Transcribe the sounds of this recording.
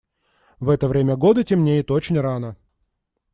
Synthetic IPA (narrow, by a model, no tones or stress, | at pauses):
vɛt̪əvɾʲemʲəɡo̞d̪ɨtʲɪmnʲejɪt̪o̞t͡ɕɪnʲranə